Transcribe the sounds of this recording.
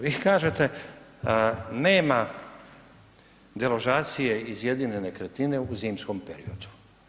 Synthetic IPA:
ʋikaːʒet̪e̞ | ne̞ːma | d̪eloʒaːt̪sije̞izje̞d̪iɲe̞ne̞kɾet̪ine̞uziːmsko̞mpeɾḭo̞d̪̥u̥

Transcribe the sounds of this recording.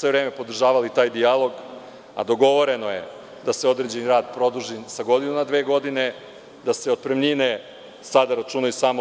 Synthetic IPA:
sʋe̞ʋɾeːme̞po̞d̪r̩ʒaːʋalit̪aːjd̪ialo̞ɡ | a̰d̪o̞ɡo̞ʋo̞ɾe̞nojḛ | d̪aseo̞d̪ɾe̞d͡ʑe̞niɾaːd̪pɾo̞d̪uʒisaɡo̞d̪inunad̪ʋeːɡo̞d̪ine̞ | d̪ase̞o̞d̪̚pɾemɲine | sad̪aɾat͡ʃuːnausaːmo

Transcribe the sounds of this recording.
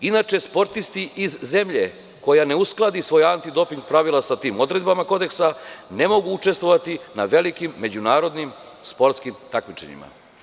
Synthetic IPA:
inat͡ʂe̞spo̞ɾt̪ist̪iʔizːe̞mʎe | ko̞jane̞usklˠad̪isʋo̞jant̪id̪o̞piŋɡ̚pɾaʋilˠasat̪iːmo̞d̪ɾe̞d̪̚bamako̞d̪e̞ksane̞mo̞ɡuut͡ʂe̞st̪ʋo̞ʋat̪inaʋe̞likimːe̞d͡ʑunaːɾo̞d̪nim | spo̞ɾt̪skimt̪akmit͡ʃḛɲḭma̰

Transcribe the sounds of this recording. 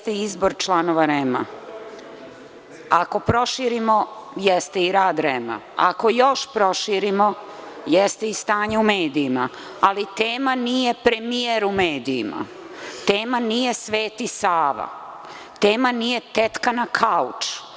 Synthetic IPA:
t̪eiizbo̞ɾt͡ʃlˠanoʋaɾema̰ | ako̞pɾo̞ʃiːɾimojɛst̪eiɾaːd̪ɾema̰ | a̰ko̞jo̞ʃpɾo̞ʃiːɾimo̞jɛst̪eist̪aːɲeumeːd̪iːma | alit̪eːmanije̞pɾemieɾumeːd̪iːma̰ | t̪eːmanije̞sʋe̞ːt̪isaːʋa̰ | t̪eːmanije̞t̪et̪kanakʰaut͡ʃ

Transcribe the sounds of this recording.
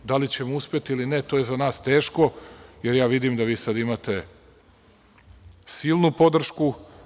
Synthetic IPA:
d̪alit͡ɕe̞mouspʲjet̪iilinet̪oːjezanaːst̪e̞ːʃko̞je̞ɾjaːʋid̪imd̪aʋiːsad̪imat̪e̞ | siːlˠnupo̞d̪r̩ʃku

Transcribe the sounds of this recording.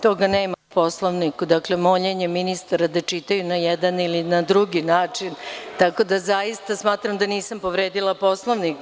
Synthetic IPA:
t̪o̞ɡaneːmapo̞slˠoʋnikud̪aklemoʎeɲeminist̪aɾad̪at͡ʂit̪ajunajɛd̪anilinad̪ɾuɡinaːt͡ʂint̪ako̞d̪azajist̪asmaːt̪ɾamd̪aniːsampo̞ʋɾeːd̪ilˠapo̞slˠoʋnik

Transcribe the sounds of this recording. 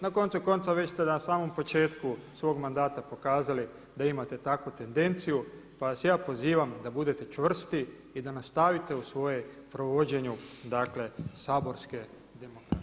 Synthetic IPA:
nako̞nt̪suko̞nt̪saʋe̞t͡ɕst̪enasaːmo̞mpo̞t͡ʃe̞ːt̪kusʋo̞ɡmand̪aːt̪apo̞kaːzali | d̪aimat̪e̞t̪akut̪e̞nd̪e̞nt̪siju | paasjaːpo̞ziːʋamd̪abud̪e̞t̪e̞t͡ʃʋr̩st̪i | id̪anast̪aʋit̪e̞usʋo̞je | pɾo̞ʋo̞d͡ʑe̞ɲud̪akle̞saːbo̞ɾske̞ | d̪emokɾa

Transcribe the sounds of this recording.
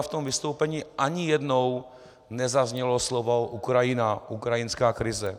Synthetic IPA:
ft̪omvɪst̪owpɛɲiʔaɲijɛdnow | nɛzazɲɛloslovoʔukɾajɪnaʔukɾajɪnskaːkɾɪzɛ

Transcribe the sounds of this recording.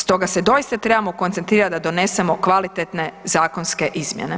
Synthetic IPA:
st̪o̞ɡase̞d̪o̞ist̪at̪ɾebamo̞ko̞nt̪ent̪ɾiːɾat̪̚d̪ad̪o̞ne̞se̞mo̞kʋalit̪et̪nezaːkonske̞ʔizmjḛne

